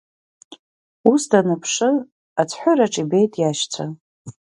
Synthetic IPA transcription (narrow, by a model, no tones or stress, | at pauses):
usdanɨpʰʂɨ | at͡sʷʰħʷʊɾaʈ͡ʂʼibe̞jtʼjaʃt͡sʷʰa